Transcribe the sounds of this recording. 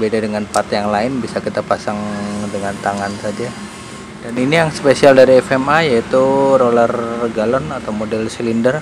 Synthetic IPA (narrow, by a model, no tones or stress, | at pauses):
bedadəŋanpat̪jaŋlaɪnbisakit̪apasaŋdəŋant̪aŋansad͡ʒa | daninijaŋsə̥pesialdaɾiɛfɛmajait̪urolarɡalɔnat̪awmodɛlsəlindər